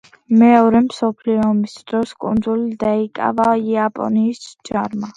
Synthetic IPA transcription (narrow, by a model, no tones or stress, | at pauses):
mɛɔɾɛmsɔpʰliɔmisd̪ɾɔskʼṵnd̪zulid̪aikʼa̰vaiapʼɔ̰niːsd͡ʒaɾma